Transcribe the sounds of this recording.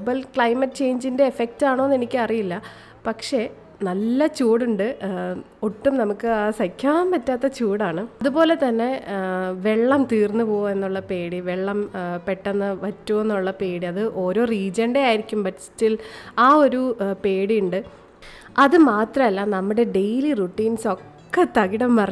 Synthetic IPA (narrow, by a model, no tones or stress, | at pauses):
bɐlkɭɐjmɐʈːt͡ɕe̞jɲd͡ʑinde̞ːfek̚taːɳoenːe̞nikʲːɨɐrijilːɐ | pɐkʂe̞ | nɐlːɐt͡ɕuːɽuɳɖɨ | oʈːumnɐmukːɨaːsɐkʰːaːmpɐtːaːt̪ːɐt͡ɕuːɽaːɳɨðupo̞ːle̞t̪ɐnːe̞ʋe̞ɭːɐmt̪iːrnːupoːe̞nːuɭːɐpe̞ːɽiʋeɭːɐmpeʈːenːɐʋɐtːue̞nːuɭːɐpe̞ːɽiɐðɨʔo̞ːɾo̞ːriːd͡ʑɐɳɖeaːjiɾikʲːumbɐtːstilaːo̞ɾupe̞ːɽiuɳɖɨ | ɐðɨmaːt̪rɐmɐlːamnɐmːuɽe̞ɖe̞jliruʈːiːnso̞kːe̞t̪ɐɣiɽɐmːɐr